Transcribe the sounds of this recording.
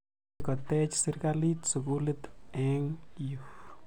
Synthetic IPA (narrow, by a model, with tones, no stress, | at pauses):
ko˨t̪e˦t͡ʃsi˧ɾɡa˦li˦t̪su˨ɡu˦le˦t̪e˦ŋju˨x